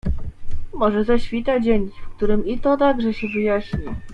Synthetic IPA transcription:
mɔʐɛzaɕfʲit̪ad͡ʑeɲʲifkt̪uɾɘmit̪ɔd̪aɡʐɛɕɛvɘjaɕɲi

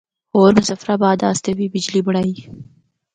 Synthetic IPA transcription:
oɾmʊzafɾabɑːd̪ɑːst̪awibɪd͡ʒlibʊɽaj

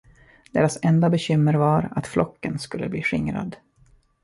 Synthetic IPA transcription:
d̪̥eːɾasɛnd̪abɛɕʏmːəɾvaɾat̪flɔkːənskɵlːə̰bliːɧɪŋɾa̰d̪

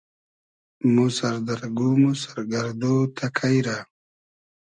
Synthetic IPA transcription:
musaɾd̪aɾɡumusḁɾɡaɾd̪ot̪ʰakʰajɾa

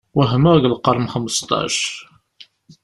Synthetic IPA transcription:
wəɦmæʝəlqɑɾˤmxəməst̪ˤɑ̰ʃ

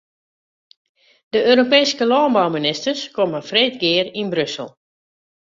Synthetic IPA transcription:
dəʔøːɾopɛːjskəlɔːnbawminɪstərskoməfreːtɡɪərinbrøsəlˠ

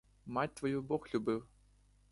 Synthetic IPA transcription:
matʲt̪vɔjubɔxlʲubɨw

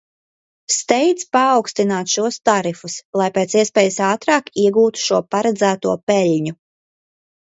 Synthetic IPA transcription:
st̪ɛjt̪spaːwkst̪inaːt̪ʃuɔst̪aɾifuslˠajpeːt̪siɛspɛːjɨsaːt̪ɾɑːkiɛɡuːt̪u̥ʃuɔpaɾɛd̪zæːt̪uɔpɛʎʲɲu

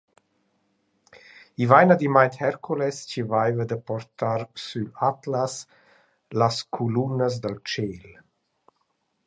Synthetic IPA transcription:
ivajnad̪imajnt̪hɛɾkʰulɛst͡ʃivajvəd̪əpɔɾt̪aɾsylat̪las | laskʰulunəs̬d̪əlt͡ʃeːl

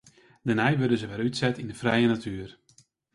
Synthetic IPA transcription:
dənɛjʋɵdəzəʋɛlˠytsɛtindəfrɛjənatʰyːər

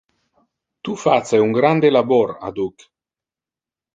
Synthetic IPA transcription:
t̪ufat̪seuŋɡɾand̪elabɔɾa̰d̪uk

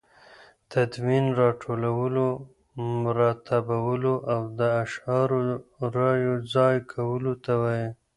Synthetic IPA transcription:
t̪ad̪minɾɑʈʰolawəlo | mʊɾɑt̪abawəloʔawd̪əaʃɑɾoɾɑjod͡zɑjkʰawəlot̪awaje

